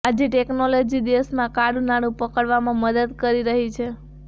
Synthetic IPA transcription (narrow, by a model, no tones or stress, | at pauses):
ad͡ʒeʈeknolod͡ʒid̪eʋəsmãkaɽunaɽ̃ũpəkəɽʋamãməd̪əd̪kəɾiɾəɦit͡ʃʰe